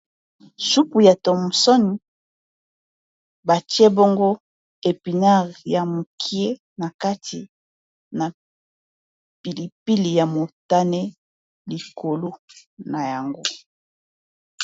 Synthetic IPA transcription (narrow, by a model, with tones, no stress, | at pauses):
ʃu˦pu˨ja˨to˨mu˨sɔ˦ni˨ | ba˨tje˦bo˦ŋɡo˦ | e˨pi˨na˦˨ʁja˨mo˨kʰi˦e˦ | na˨ka˦ti˨ | na˨ | pi˨li˨pi˦li˨ja˨mo˨ta˦nɛ˦ | li˨kʰo˨lo˦na˨ja˨ŋɡo˦